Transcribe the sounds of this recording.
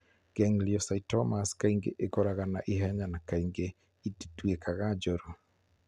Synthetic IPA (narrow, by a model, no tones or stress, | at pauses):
ɡ̥ɛŋliɔsaitɔmaskaiŋɡḛʔekɔɾaɣana̰ʔiɦɛɲanakaiŋɡe | ititwekʰaɣad͡ʒoɾo